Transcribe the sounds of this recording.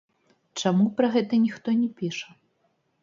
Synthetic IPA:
t͡ʂamupɾɐɣɛt̪ɐnʲixt̪ɔnʲɛpʲiʂɐ

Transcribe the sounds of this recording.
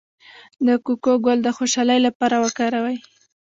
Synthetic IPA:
d̪əkukoɡold̪əxoʃɑləjlapɑɾawəkɑɾawaj

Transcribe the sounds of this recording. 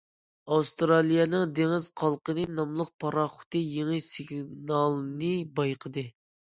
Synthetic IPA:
ɑfst̪ɾɑlˠijɛnɨŋd̪eŋɪz̥qʰɑlˠqənɨnɑmlˠəq̚pʰɑɾɑχʊ̥t̪ɨjeŋɨsɪɡnɑlˠnɨbɑjqʰəd̪ɨ

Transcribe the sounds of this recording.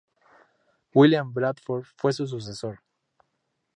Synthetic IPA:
wiljãmbɾad̪foɾfwesus̬us̬esoɾ

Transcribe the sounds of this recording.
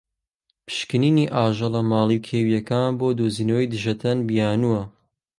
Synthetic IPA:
pʰɨ̥ʃkɨniːniʔaːʒɐlɐmaːlˠikʰeːwijɐkaːnboːd̪oːziːnowjd̪ɨʒɐt̪ʰɐnbijaːnuwɐ

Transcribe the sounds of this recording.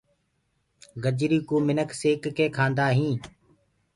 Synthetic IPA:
ɡəd͡ʒɾiːkuːmɪnəkseːkːeːkʰãːnd̪aːɦĩː

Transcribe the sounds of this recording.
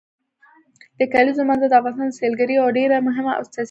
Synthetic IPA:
d̪̥əkalizomanzad̪əafɣɑnst̪ɑnselɡaɾiawɖeɾamʊɦɪmaʔʊ̰st̪a

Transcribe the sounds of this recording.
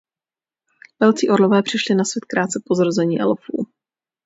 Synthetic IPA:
vɛlt͡siːʔoɾlovɛːpr̝̥ɪʃlɪnasvjɛt̪kɾaːt̪t͡sɛpo̞zɾozɛɲiːʔɛ̰lfṵː

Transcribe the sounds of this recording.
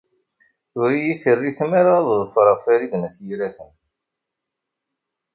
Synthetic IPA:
θʊɾijisərːismaɾaððˤəfɾˤəʁfæɾid̪næθjiɾæθən

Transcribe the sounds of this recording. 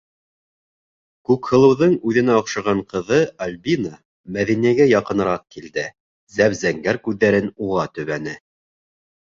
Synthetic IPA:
kʉkhɤ̆lˠɤ̆wðɤɴʉðɘ̆næŏqʃɑʁɑɴqɤ̆ðɤɐlʲbina | mæðinijæɡæjɑqɤ̆nɤ̆ɾɑq̚kild̪ɘ | zæβzæŋɡæɾkʉðːæɾɘnuʁɑt̪ɵ̆βænɘ

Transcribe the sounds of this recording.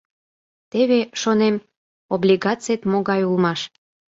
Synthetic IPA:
t̪eβeʃonem | oblʲiɣɑt͡set̪moɣɑjulmɑʃ

